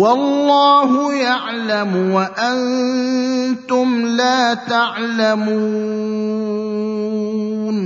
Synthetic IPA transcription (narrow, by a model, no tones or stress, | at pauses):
wɑlːaːhʊjaʕlamwaʔan | t̪ʊmlaːt̪aʕlamu | n